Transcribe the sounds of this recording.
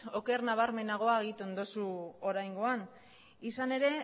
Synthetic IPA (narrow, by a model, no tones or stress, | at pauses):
o̞ke̞ɾnaβ̞aɾme̞naɣ̞o̞aɣit̪uo̞nd̪o̞suo̞ɾajŋɡo̞an | isane̞ɾe̞